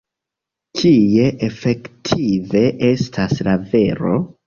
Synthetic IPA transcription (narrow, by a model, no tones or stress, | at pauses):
kʰije̞ʔefe̞ktʰive̞ʔe̞stʰaslave̞ɾo̞̰